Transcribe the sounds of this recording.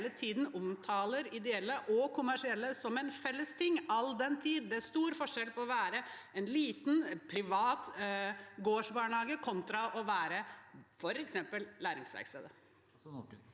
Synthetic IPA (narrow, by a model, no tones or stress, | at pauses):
lət̪ʰiːd̪n̩ʊmt̪ʰɑːləɾɪd̪ɛɛlːəʔɔkʰʊmæʂɪɛlːəsɔmɛnfɛlːəst̪ʰɪŋːɑld̪ɛnt̪ʰiːd̪d̪ɛæɾʂt̪uːɾfɔʂɛlpʰɔɔʋæːɾəɛnliːt̪n̩pʰɾɪʋɑːt̪ | ɡoːʂbɑːɳhɑːɡəkʰɔnt̪ɾɑʔɔʋæːɾəfɔɾɛksɛmpəllæːɾɪ̰ŋsʋæ̰ɾkst̪ḛːd̪ə